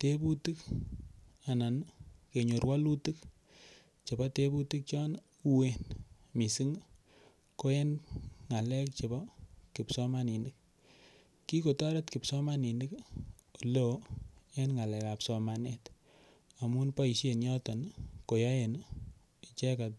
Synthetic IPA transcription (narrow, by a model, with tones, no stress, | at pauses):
te˦bu˦tɨ˦k | a˨na˨nke˨ɲo˨ɾwa˦lu˦tɨ˦k | t͡ʃe˨bɔ˦te˦bu˦tɨ˦k̚t͡ʃɔ˦n | u˦we˦n | mi˨si˦ŋ˦ | ko˦e˦nŋa˨lɛ˦k̚t͡ʃe˨bɔ˦ki˨psɔ˦ma˦ni˨ni˦k̚ | ki˦ko˨tɔ˦ɾe˦tki˨psɔ˦ma˦ni˨ni˦ko˨lo˨˦e˦nŋa˨lɛ˨ka˨psɔ˨ma˨nɛ˦t | a˨mu˦npɔ˦i˨ʃe˨njɔ˦tɔ˨nko˨ja˦e˨n | i˨t͡ʃɛ˦ka˨t